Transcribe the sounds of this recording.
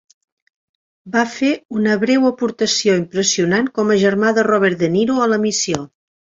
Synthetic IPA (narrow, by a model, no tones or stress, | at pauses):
bafeunəβɾewəpuɾt̪əsioimpɾəsiunankɔməʒəɾmaðərɔβɛɾt̪d̪əniɾuələmisio